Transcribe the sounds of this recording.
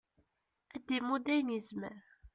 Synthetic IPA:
æd̪ːimud̪æjnizməɾ

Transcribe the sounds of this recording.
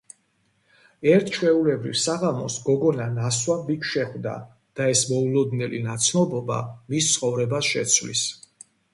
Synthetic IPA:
ɛɾt̪ʰʃwɛulɛbɾḭvsaʁamɔsɡɔɡɔnanaswabikʰʃɛχd̪a̰ | d̪̥aɛsmɔulɔd̪nɛlḭnat̪sʰnɔbɔba̰mist̪sʰχɔvɾɛbasʃɛ̰t̪sʰvlḭs

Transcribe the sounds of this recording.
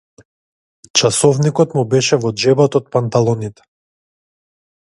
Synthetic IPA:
t͡ʃasɔvnikɔt̪mubɛʃɛvɔd͡ʒɛbat̪ɔt̪̚pant̪alˠɔnit̪ɛ̥

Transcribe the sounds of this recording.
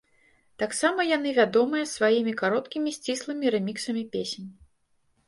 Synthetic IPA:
t̪aksamɐjan̪ɨvʲad̪ɔmɨjɐsvajimʲikaɾɔt̪kʲimʲisʲt͡sʲislˠɨmʲiɾɛmʲiksɐmʲipʲesʲnʲ

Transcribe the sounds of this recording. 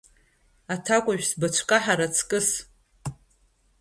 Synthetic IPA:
atʰakʷʼaʒᶣsbat͡ʃʷʰkʼaħaɾat͡sʰkʼɨs

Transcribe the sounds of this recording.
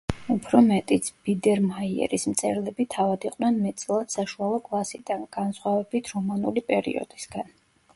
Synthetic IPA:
upʰɾɔmɛt̪ʼit̪sʰb̥id̪ɛɾmaiɛ̰ɾismt̪sʼʰɛɾlɛbit̪ʰavad̪iqʼnɛnmɛt̪sʼlˠad̪̥saʃualˠɔkʼlˠasid̪̥anɡ̥ansχwavɛbit̪ʰɾɔmanulipʼɛɾḭɔ̰d̪̥isɡan

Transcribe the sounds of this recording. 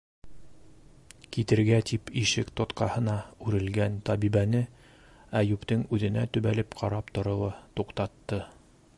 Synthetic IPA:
kit̪ɘ̆ɾɡæt̪ipiʃɘkt̪ŏt̪qɑhɤ̆nɑʉɾɘ̆lɡænt̪ɑbiβænɘ | æjʉpt̪ɘŋʉðɘ̆næt̪ɵ̆βælɘpqʰɑɾɑpt̪ŏɾɤ̆lˠɤt̪uqt̪ɑt̪ːɤ

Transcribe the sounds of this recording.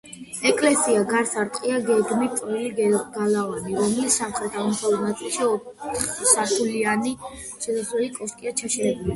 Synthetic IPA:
ɛkʼlɛsiaɡaɾsaɾt̪ʼqʼiaɡɛɡmit̪ʼɔiliɡ̥alavaniɾɔmɛlissamχɾɛt̪ʰamt̪ʰauɾnat̪sʼilˠʃiɔχsaɾt̪ʰuliani | ʃɛsaχlɛlikʼɔskʼiat͡ʃʰaʃɛɾɛbuli

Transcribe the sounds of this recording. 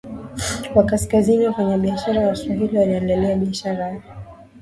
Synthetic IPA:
wakaskaziniwafaɲaɓiaʃaɾawaswaɦiliwaliɛndaliaɓiaʃaɾa

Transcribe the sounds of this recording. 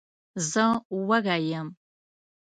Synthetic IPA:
zɐwɐɣaːjɐm

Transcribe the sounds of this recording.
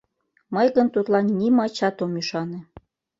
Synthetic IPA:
məjɣənt̪ut̪lɑnːʲimɑt͡ɕɑt̪omyʃɑnĕ

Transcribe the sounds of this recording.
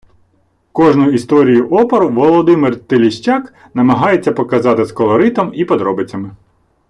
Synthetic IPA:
kɔʒnʊist̪ɔɾʲijʊʔɔpɔɾʊʋɔlˠɔd̪ɪmɪrt̪elʲiʃt͡ʃʲɑk | nɐmɐɦɑjet͡sʲːɐpɔkɐzɑt̪ɪskɔlˠɔɾɪt̪ɔmipɔd̪ɾɔbɪt͡sʲːɐmɪ

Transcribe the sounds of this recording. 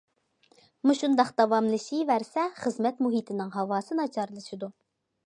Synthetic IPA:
muʃund̪ɑχd̪ɑwɑmlˠɨʃivæɾsɛχəzmɛt̪muɦit̪ʰɪnɪŋɦɑwɑːsɨnɑt͡ʃʰɑɾlˠɨʃid̪u

